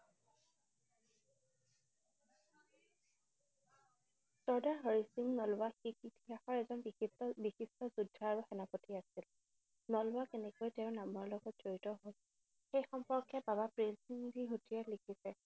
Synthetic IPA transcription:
sɔɹdaɦɔɹisimnɔlwaxikitixaxɔɹɛzɔnbixistɔbixistɔzudʱːaaɹuxɛnapotiasil | nɔlwakɛnɛkojtɛʊnamɔɹlɔɡɔtz̥oɹitɔɦol | xejxɔmpɔɹkʰːɛbabapɹinsiŋdiɦutialikʰisɛ

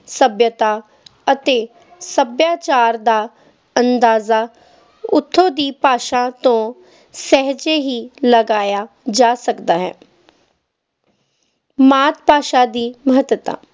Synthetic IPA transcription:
səbjət̪aː | ət̪eː | səbjaːt͡ʃaːɾd̪aː | ənd̪aːzaː | ʊt̪ʰːõːd̪iːpaːʃãːt̪õː | sɛɦd͡ʒeːɦiːləɡaːjaː | d͡ʒaːsəkd̪aːɦɛ̰ː | maːt̪̚paːʃaːd̪iːməɦət̪ət̪a̰ː

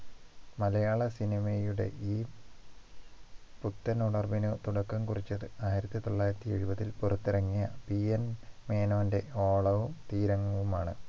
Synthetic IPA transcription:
mɐlɐjaːɭɐsinimejuɽe̞̰ʔiː | put̪ːɐnuɽɐrbinɨt̪uɽɐkːɐmkurit͡ɕːɐðɨaːjiɾɐt̪ːit̪o̞ɭːaːjiɾɐt̪ːieɻubɐðilpurɐt̪ːirɐŋːijɐpienme̞ːnoːnde̞o̞ːɭɐʋumt̪iːɾɐŋːɐʋumaːɳɨ

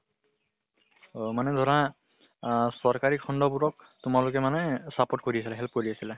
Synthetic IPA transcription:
omanɛdʱɔɹa | sɔɹkaɹikʰɔndɔbuɹɔk̚ | tʊmalʊkɛmanɛsapɔt̚koɹiasilɛɦɛlp̚koɹiasilɛ

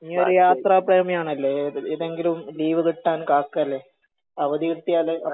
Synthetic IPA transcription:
iɲːoɾujaːt̪raːpreːmijaːɳɐlːeiðeŋɡilumliːʋɨðiʈːaːnkaːkːalːe | ɐʋɐðiʋit̪ːijaːleɐ

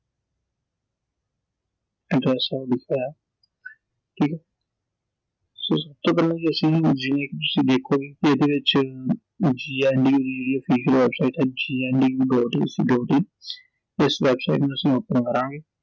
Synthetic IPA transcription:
ɪ̃ʈɾɛːsaːolɪkʰajaː | ʈʰiːkɛː | soːsɐb̚t̪oːkəɾnãːɡiɐsĩːd͡ʒinẽːket̪ʊ̥sĩːd̪eːkʰːoːɡikied̪eʋɪt͡ʃ | d͡ʒiːɛːnɖiːjuːɾiːiloːfiːd͡ʒəlʋɛːbsaːɪʈɦɛːd͡ʒiːɛːnɖiːjuːɖɔːʈḭʊ̰sḭːɖɔːʈiː | ɪsʋɛːbsaiʈmẽʊsioːpənkəɾãːŋɡeː

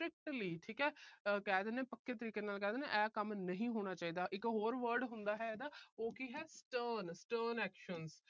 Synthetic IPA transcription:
sʈɾɪk̚ʈliːʈʰiːkɛːkɛːd̪eːneːpəkːeːt̪əɾiːkeːnaːlkɛːd̪eːnḛ̃ːʔɛːkəmnəɦĩːɦoːɽ̃aːt͡ʃaːiːd̪aːʔɪkɦoːɾʋəɾɖɦʊnd̪aːɦɛːɛːd̪aːoːkiɦɛːsʈəːnsʈəːnɛːkʃəns

